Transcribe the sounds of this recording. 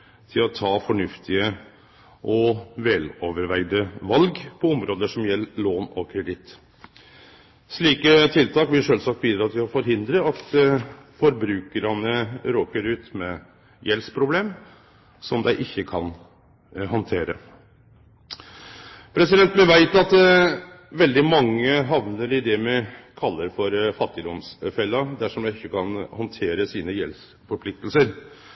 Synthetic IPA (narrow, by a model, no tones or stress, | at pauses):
t̪ʰɪlɔt̪ʰɑːfɔɳʉft̪ʰɪə | ʔɔʋɛloːʋəɾʋæɪd̪əʋɑlɡpʰɔɔmɾoːd̪əʂɔmjɛlːɭoːnɔ̰kʰɾɛd̪ɪt̪ | ʂɭiːkət̪ʰɪlt̪ʰɑːkbɪlʂøːlsɑk̚t̪ʋiːd̪ɾɑːt̪ʰɪlɔfɔɾɦɪnd̪ɾəɑt̪fɔɾbɾʉːkəɾɑnəɾoːkəɾʉːt̪mɛ | jɛlspʰɾʊbleːm | sɔmd̪æɪʔɪçːəkʰɑn | ɦɔnt̪ʰeːɾə̰ | pʰɾɛsɪd̪ɛnt̪mɛʋæɪt̪ɑt̪ | ʋɛld̪ɪmɑŋːəɦɑʋnəɾɪd̪ɛmɛkʰɑlːəɾfɔɾfɑt̪ːɪd̪ɔmsfɛlːɑd̪æʂɔmd̪æɪɪçːəkʰɑnhɔnt̪ʰeːɾəsiːnəjɛ̰ls | fɔɾpʰlɪk̚t̪lsəɾ